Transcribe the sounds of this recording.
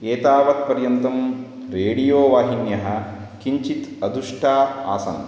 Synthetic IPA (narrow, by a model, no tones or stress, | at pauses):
eːt̪aːʋɐt̪pɐɾjɐnt̪ɐm | ɾeːɽijoːʋaːɦinjɐɦɐ | kiɲt͡ʃit̪ɐd̪uʂʈʰaːaːsɐ̰n